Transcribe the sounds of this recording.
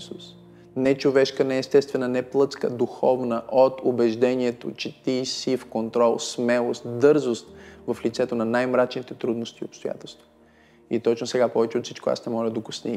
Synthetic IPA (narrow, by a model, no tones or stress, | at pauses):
sus | nɛt͡ʃovɛʃkənɛːst̪ɛst̪vɛnənɛplˠɤt̪skə̰d̪uxɔvnəʔot̪ʊbɛʒd̪ɛniɛt̪o̰t͡ʃɛt̪isifkont̪ɾɔlˠssmɛlˠost̪d̪ɤɾzost̪vɐflit̪sɛt̪onɐnajmɾat͡ʃnit̪ɛt̪ɾud̪nʊst̪iopst̪oja̰t̪ɛlˠst̪vo̥ | it̪ɔt͡ʃnosɛɡapɔvɛt͡ʃɛot̪si̥t͡ʃkoa̰snɛmɔlʲəd̪okʊsni